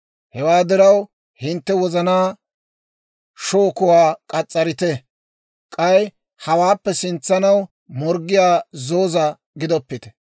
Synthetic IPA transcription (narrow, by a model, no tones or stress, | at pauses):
hɛwaːd̪ɪɾɐw | hɪnt̪ːɛwɔzɐnaː | ʃoːkʊwaːkʼɐt͡sʼːɐɾɪt̪ɛ | kʼɐj | hɐwaːpːɛsɪnt͡sːɐnɐw | mɔɾɡːɪjaːzoːzɐ | ɡɪd̪ɔpːɪt̪ɛ̥